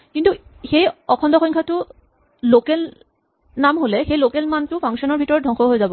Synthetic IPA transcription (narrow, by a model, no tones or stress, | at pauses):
kintuxejɔkʰɔndɔxɔŋkʰatʊ | lokel | namɦolɛxejlokelmantʊpʰaŋksɔnɔɹbʱitɔɹɔdʱɔ̃ŋxɔɦojzabɔ